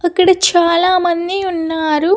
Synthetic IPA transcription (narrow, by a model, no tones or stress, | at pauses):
ɐkːɐɽɐt͡ʃaːlaːmɐnd̪iunːaːɾu